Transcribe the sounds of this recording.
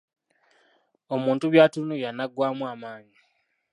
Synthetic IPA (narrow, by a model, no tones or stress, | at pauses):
o̞muːntuβjaːtunujanaɡːwaːmuaːmaːɲi